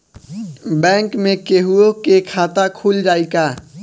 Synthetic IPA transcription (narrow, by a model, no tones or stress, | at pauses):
bɛ̃ːŋkmẽkeɦuokekʰaːt̪akʰuːld͡ʒaːikaː